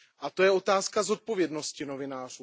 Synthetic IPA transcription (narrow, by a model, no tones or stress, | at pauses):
ʔat̪o̞jɛo̞t̪aːskazo̞t̪̚po̞vjɛdno̞scɪno̞vɪnaːr̝uː